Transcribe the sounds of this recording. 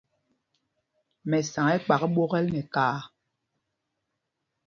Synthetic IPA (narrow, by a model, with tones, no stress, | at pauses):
mɛ˨sa˨ŋɛ˦k͡pa˨kɓɔ˦ɣɛ˦lnɛ˨kaː˦